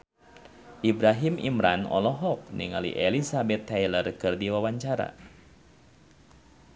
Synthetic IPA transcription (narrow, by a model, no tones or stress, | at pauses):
ʔibɾaɦimḭmɾʔa̰nɔ̰lɔɦɔk̚nḭŋalḭʔelisabɛt̪ʰːɛjlərkɨrdiwawaɲt͡ʃaɾa̰